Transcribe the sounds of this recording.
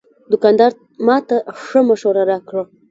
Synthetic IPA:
d̪ʊkɑnd̪ɑɾ | mɑt̪aʂəmaʃoɾaɾakɽa

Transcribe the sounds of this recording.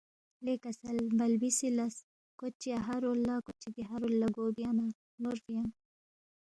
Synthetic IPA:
lekɐsɐlbɐlbisilɐs | kot͡ʃːiɐɦɐɾolːakot͡ʃːid̪iɦɐɾolːɐɡoːbijana | nuɾfijɐŋ

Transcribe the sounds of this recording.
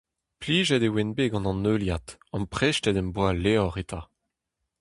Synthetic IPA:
pliːʒɛd̪ewɛnbeɡɑ̃nɑ̃nøːljat̪ɑ̃mpχeʃtɛd̪ɛmbwaleɔʁet̪ʰa

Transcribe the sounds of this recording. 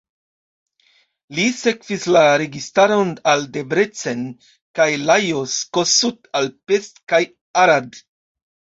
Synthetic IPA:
lise̞kvislaɾe̞ɡistaɾonalde̞bɾet͡sen | kajlajoskosutalpe̞stkaj | aɾad

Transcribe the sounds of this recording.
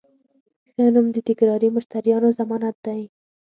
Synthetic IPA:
xənumd̪ət̪ɪkɾɑɾimʊʃt̪aɾjɑnozamɑnat̪̚d̪aj

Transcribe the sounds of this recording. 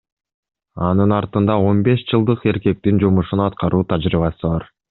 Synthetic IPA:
ɑnɯnɑɾt̪ɯnd̪ɑo̞nbe̞ʃd͡ʒɯlˠd̪ɯqe̞ɾke̞k̚t̪ind͡ʒumuʃunɑt̪qɑɾʔuːt̪ʰɑd͡ʒɾiβɑsɯβɑɾ

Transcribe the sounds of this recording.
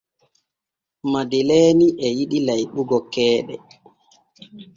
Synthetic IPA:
madilɛːniʔɛjiɗilajɓuɡɔkɛːɗɛ̰

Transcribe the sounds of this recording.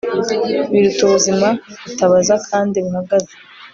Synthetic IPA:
βiɾutuβuzimaβutaβazakʰaːndiβuhaɡaze̥

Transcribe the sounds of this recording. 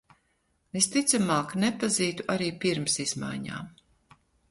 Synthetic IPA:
est̪it̪samaːknepaziːt̪uʔaɾiːpiɾmsiz̥ma̰jɲa̰ːm

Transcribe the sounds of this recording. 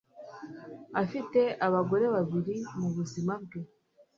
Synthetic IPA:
afite̞ʔaβaɡo̞ɾe̞βaβiɾimuβuzimab̚ɡe

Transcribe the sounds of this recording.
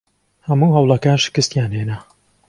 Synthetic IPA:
hɐmuːɦɐwlˠɐkaːnʃɪ̥kɨst̪jaːnheːnɐ

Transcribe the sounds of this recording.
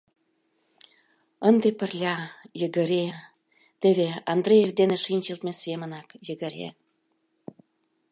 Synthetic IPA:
ənd̪epə̆rlʲɑjəɣə̆ɾe | t̪eβeɑnd̪rejefd̪eneʃinʲt͡ɕə̆lt̪mesemə̆nɑkjə̆ɣə̆ɾḛ

